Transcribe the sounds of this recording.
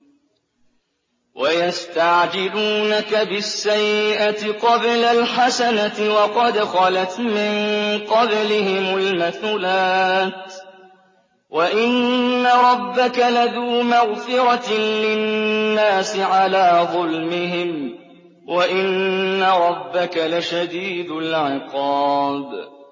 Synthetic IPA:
wʔajast̪aʕd͡ʒɪluːnakabɪsːajɪʔat̪ɪqɑblalħasanat̪ɪwɑqɑd̪xɑlat̪mɪɴqɑblɪɦɪmʊlmaθuːlaːt̪ | waʔɪnːaɾˤɑbːakalaðuːmaɣfɪɾɑlɪnnnːaːsɪʕalaːðˤʊlmɪɦɪm | wʔaʔɪnːaɾˤɑbːakalaʃad̪iːd̪ʊlʕɪqɑːd̪

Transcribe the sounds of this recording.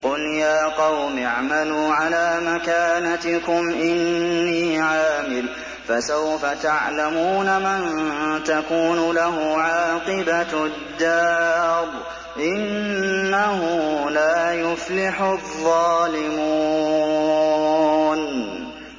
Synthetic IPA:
qʊljaːqɑwmɪʕmaluːʕalaːmakaːnat̪ɪkʊmʔɪnːiːʕaːmɪl | fasawfat̪aʕlamuːnamant̪akuːnʊlaɦʊʕaːqɨbad̪ːɑːɾˤ | ʔɪnːahʊlaːjʊflɪħʊðˤːɑːlɪmuː | n

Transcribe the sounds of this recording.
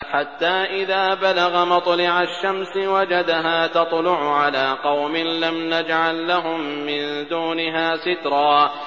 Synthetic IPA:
ħat̪ːaːʔɪðaːbalaɣamɑt̪ˤlɪʕaʃːamsɪwad͡ʒad̪ɦaːt̪ɑt̪ˤlʊʕʊʕalaːqɑwmɪnlamnad͡ʒʕalːaɦʊmːɪnd̪uːnɪɦaːsɪt̪ɾˤɑː

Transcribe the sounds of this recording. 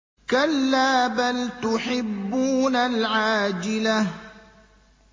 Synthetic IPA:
kalːaːbalt̪ʊħɪbːuːnalʕaːd͡ʒɪlah

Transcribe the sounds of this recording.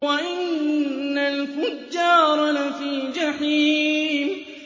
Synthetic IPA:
waʔɪnnːalfʊd͡ʒːɑːɾˤɑlafiːd͡ʒaħiːm

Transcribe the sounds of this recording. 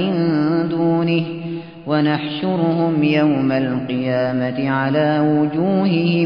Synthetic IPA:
ɪnd̪uːnɪh | wanaħʃʊɾʊhʊmjawmalqɨjaːmat̪ɪʕalaːwʊd͡ʒuːɦɪhɪ

